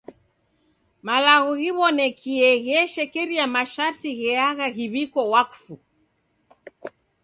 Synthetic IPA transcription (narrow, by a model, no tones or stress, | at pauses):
malaɣuɣiβɔnɛkʰiɛɣɛʃɛkɛɾiamaʃaɾtiɣɛaɣaɣiβikɔwaku̥fu